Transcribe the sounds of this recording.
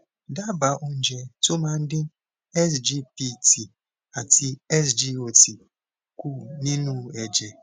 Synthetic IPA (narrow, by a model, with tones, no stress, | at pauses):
da˦ba˨ʔo˦n̩˦d͡ʒe˨tʊ˦ma˦n̩˦dɪ˦ | ɛ˦sd͡ʒi˦pi˦ti˨ | a˨ti˦ɛ˦sd͡ʒi˦o˨ti˨ | ku˦˨ni˦nu˦e˨d͡ʒe˨